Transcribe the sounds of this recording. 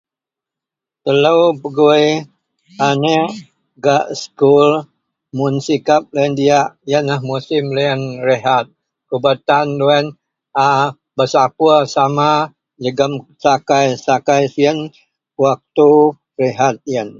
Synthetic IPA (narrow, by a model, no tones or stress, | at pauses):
t̪ələwpəɡue | ane | ɡaʔskul | munsikap̚ləndiaʔjənahmusɪmleənreɦat̪̚ | kubat̪anduɛn | a | bəsapuasama | d͡ʒəɡəmsakajsakajsiən | wak̚t̪u | reɦat̪̚jən